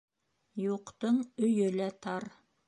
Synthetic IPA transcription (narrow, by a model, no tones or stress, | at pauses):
juqt̪ɤɴɵ̆jɵlæt̪ɑɾ